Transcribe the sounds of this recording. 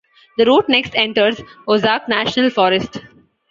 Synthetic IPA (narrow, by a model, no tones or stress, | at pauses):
d̪əɾoːʈ̚neksʈɛ̃ɳʈəɾzozaːknæːʃnəlfɔːɾɪsʈ